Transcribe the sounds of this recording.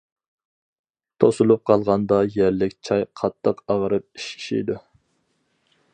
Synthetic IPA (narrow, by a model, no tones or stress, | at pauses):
t̪ʰosulˠup̚qʰɑlˠʁɑnd̪ɑjæɾlɪkʲt͡ʃʰɑjqʰɑt̪ʰːəqɑʁəɾɨp̚i̥ʃkʲʰi̥ʃḭjd̪u